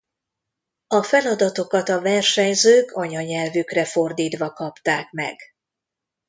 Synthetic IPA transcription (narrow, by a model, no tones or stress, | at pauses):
ɒfɛlɒd̪ɒt̪o̞kɒt̪ɒvɛrʃɛɲzøːkʰɒɲɒɲɛlvykrɛfo̞rd̪iːt̪ʋɒkɒpt̪aːkmɛ̰ɡ̥